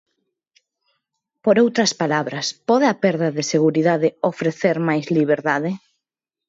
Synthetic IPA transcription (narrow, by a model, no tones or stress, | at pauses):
poɾowt̪ɾɐspalaβɾɐspɔðeɐpɛɾðɐðɪseɣuɾiðaðɪofɾeθeɾmajzliβ̞eɾðaðɪ